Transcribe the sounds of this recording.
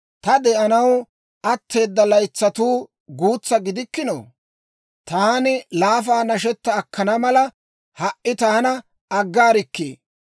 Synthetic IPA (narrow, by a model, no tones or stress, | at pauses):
t̪ɐd̪ɛʔɐnɐw | ɐt̪ːe̞ːd̪ːɐlɐjt͡sːɐt̪uː | ɡuːt͡sːɐɡɪd̪ɪkːɪno̰ː | t̪aːnɪlaːfaːnɐʃ̬ɛt̪ːɐːkːɐnɐmɐlɐ | hɐʔʔɪt̪aːnɐ | ɐɡːaːɾɪkːḛː